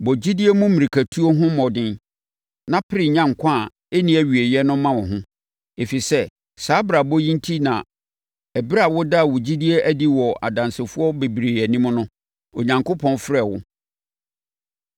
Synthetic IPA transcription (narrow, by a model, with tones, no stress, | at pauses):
bɔ˨d͡ʑi˦di˦e˦mũ˦mĩ˨ɾi˨kʰæ˨tʰu˦o˦ɦʊ̃˦mɔ˨dɪ̃˦n | nã˦pʰɪ˦ɾɪ˨ɲã˦ŋ̩˨kʷʰã˦˨ | e˦nĩ˦æ˨ɥi˨e˨jɛ˦nʊ̃˦mã˦wɔ̃˨ɦʊ̃˦ | e˨fi˨sɛ˦ | saː˨˦bɾa˨bɔ˦jĩ˦n˦tʰi˦nã̰˨ | æ˨bi˦ɾa˨wɔ˦da˦˨wɔ˨d͡ʑi˦di˦e˦ʔæ˦di˦wɔ˨ʔa̰˨dã˨nsɪ˨fʊ˦ɔ˦be˨bɾe˨æ˨nĩ˦m˦nʊ̃˦ | o˨ɲã˨ŋko˦pʰɔ̃˦nfɾɛ˨wʊ˦